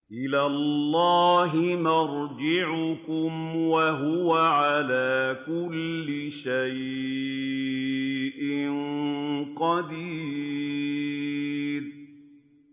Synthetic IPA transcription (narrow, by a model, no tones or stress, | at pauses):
ʔɪlaːlːɑːɦɪnɑɾd͡ʒɪʕʊkʊmwaɦʊwaʕalaːkʊlːɪʃaj | ʔɪnqɑd̪iː | ɾ